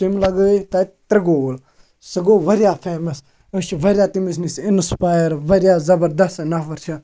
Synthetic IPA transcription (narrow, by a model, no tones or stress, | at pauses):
t͡ʃimlɐɡt̪ɐt̪ɾɐɡoːl | sɐɡoːʋɐɾjaːfʰeːmɐs | ɐt͡ʃʋɐɾʲjaːt̪imis̬nisɪnspaːjəɾʋɐɾʲjaːzɐbəɾd̪ɐst̪nɐʋɐɾt͡ʃʰa